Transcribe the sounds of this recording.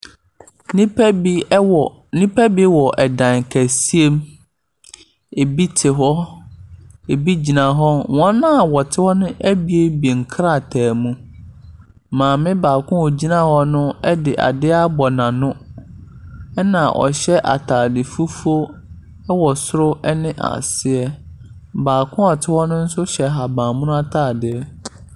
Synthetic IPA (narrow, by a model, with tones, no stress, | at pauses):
nĩ˦pbi˦˨ | nĩ˦pʰæ˦bi˦wɔ˨ʔɛ˨dã˨ŋ˨kʰæ˨si˦e˦m | e˨bi˦tʰɪ˨ɦɔ˦ | e˨bi˦d͡ʑi˨nã˨ɦɔ˦wɔ̃˦nːã˦˨wɔ˨tʰɪ˦hɔ˦nʊ̃˦ʔæ˦bi˦e˦bi˨ŋ̩˨kʰɾa˦˨tʰæː˨mũ˦ | mãː˨mɪ̃˦baː˨kʰʊ̃˦ɔ˨d͡ʑi˦nã˦hɔ˦nʊ̃˦ɛ˦dɪ˨ʔa̰˨dɪ˦a˦bɔ˨nã˨nʊ̃˦ | ɛ˦nã˨ʔɔ̰˨ɕɛ˦ʔa̰˨tʰaː˨dɪ˨fu˦fu˦o˦ | ɛ˦wɔ˨sʊ˦ɾʊ˦ʔɛ˦nɪ̃˦ʔa̰˨sɪ˦ɛ˦ | baː˨kʰʊ̃˦ɔ˨tʰɪ˦hɔ˦nʊ̃˦n̩˦sʊ˦ɕɛ˨ɦa˨bãː˨mʊ̃˦nʊ̃˦a˦tʰaː˦˨dɪ˦ɛ˦